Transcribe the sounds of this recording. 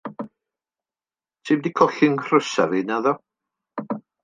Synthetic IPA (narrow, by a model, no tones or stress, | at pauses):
tʰɪmdikʰɔɬɪŋʰr̥əsa̰vinaðɔ